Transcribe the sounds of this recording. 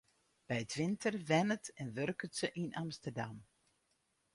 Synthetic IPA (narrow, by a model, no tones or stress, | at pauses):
b̥ɛjətʋɪntʰərʋɛnətɛnʋørkətsəʔinʔamstərdam